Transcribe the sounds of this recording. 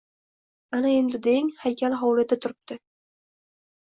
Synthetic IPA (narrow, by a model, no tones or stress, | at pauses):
anae̞nd̪ɪd̪eŋhajkʲʰalɦɒwlad̪at̪ʰʊɾɪp̚t̪ʰɪ